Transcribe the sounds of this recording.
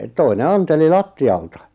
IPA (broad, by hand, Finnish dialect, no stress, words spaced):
toine ɑnteli lɑtːiɑltɑ